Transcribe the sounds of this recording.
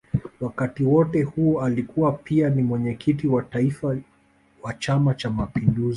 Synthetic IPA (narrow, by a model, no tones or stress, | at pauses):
wakatiwɔtɛhuɔalikuwapianimwɛɲɛkʰitiwataifa | wat͡ʃamat͡ʃamapinduzi